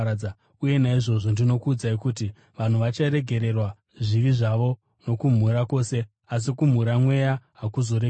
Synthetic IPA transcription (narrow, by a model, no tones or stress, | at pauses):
uje̞naiʐo̞ʐo̞ndino̞kuːd͡zaikuti | ʋan̤uʋat͡ʃaiɾe̞ɡʱe̞ɾe̞rwa | ʐiʋiʐaʋo̞ | no̞kum̤uɾako̞se̞ | as̬ikum̤uɾamwe̞jaɦakuzo̞ɾe